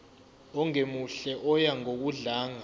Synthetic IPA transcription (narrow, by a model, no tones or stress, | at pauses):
ɔŋemuɬɛʔɔjaŋok̬uɮaːŋa